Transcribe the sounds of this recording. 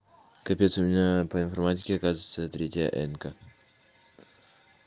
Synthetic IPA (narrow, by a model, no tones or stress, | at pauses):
kɐpʲet̪sʊmʲɪnʲapəɪnfɐrmatʲɪ̥kʲɪɐkazɨvɪt̪sət̪ɾʲetʲɪjə̰ʔɛnkə